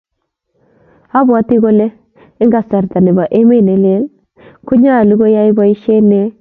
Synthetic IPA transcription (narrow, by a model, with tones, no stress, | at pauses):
a˦bwa˨˦ti˦ɡo˦le˦ | ɪ˦ŋɡa˨sa˨ɾta˨ne˨ba˨ʔe˦me˦˨ne˨˦le˦l | ku˦ɲa˦˨lu˦ɡo˦ja˦i˦ba˦i˦ʃe˦ne˦